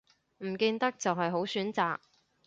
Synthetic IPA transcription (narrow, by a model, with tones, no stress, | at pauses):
m̩˨˩kiː˧nt̪ɐ˥k̚t͡sɐ˨wɦɐ˨jɦo˨˥wsyː˨˥nt͡saː˨k̚